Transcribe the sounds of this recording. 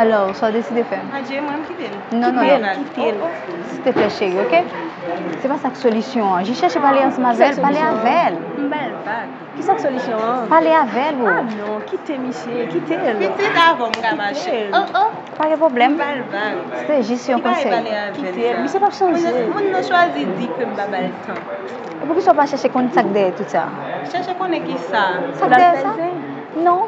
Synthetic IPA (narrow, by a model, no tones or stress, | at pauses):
alɔsɔd̪esid̪efɛmad͡ʒemɛ̃mkit̪elnɔ̃nɔ̃kit̪el | si̥t̪efɛʃeɣeoke | sɛpasaksolysjɔ̃ãʒĩʃɛʃepaleãsɛ̃mavɛlpaleavɛlm̩balvaɡ | kisaksolisjɔ̃paleavɛluanɔ̃kit̪emiʃekit̪eled̪avɔmkaaelə̃ə̃ | paɡɛ̃p̬ʁoblɛ̃mbalvaɡseʒesjɔ̃kɔ̃sɛleavkiɛlelmiʃepabʃɑ̃ʒemũnːɔ̃ʃwazidikøm̩babalt̪ʰɐ̃ | epukiswapaʃɛʃekɔ̃nsak̚d̪ejɛt̪usa̰ | ʃɛʃekõnɛ̃kisasabad̪ejɛsaɛ | nɔ̃